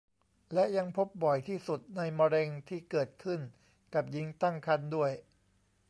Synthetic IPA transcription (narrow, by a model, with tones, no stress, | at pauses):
lɛ˦˥ja˧ŋpʰo˦˥p̚bɔ˨˩jt̪ʰiː˥˩su˨˩t̪̚na˧jmɔː˧ɾe˧ŋt̪ʰiː˥˩kɤː˨˩t̪̚kʰɯ˥˩n | ka˨˩p̚ji˦˥ŋt̪a˥˩ŋkʰa˥˩ndu˥˩əj